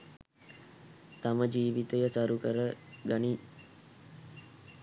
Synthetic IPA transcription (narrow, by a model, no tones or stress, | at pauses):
t̪aməd͡ʒiːʋit̪əjət̪aɾukəɾəɡani